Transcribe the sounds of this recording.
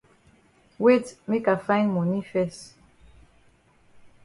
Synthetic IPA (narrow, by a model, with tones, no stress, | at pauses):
we˦tme˦ka˨fã˦j̃nmɔ˨ni˦fɛ˦st